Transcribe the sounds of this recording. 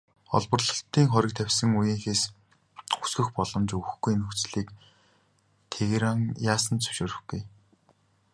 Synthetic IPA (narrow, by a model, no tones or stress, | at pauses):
ɔ̰ɮpɞ̆rɮɞ̆ɬt̪iːŋχɔɾʲɪ̆k̚t̪ʰæwʲsə̆ŋujiːŋxeːs | u̥sɡɵ̆xpɔɮɞ̆mt͡ɕɵɣɵxɡujnɵxt͡sɮiːk | t̪ʰeɣɾaŋjaːsə̆nt͡sɵ̥wʃoːɾɵ̆xɡuj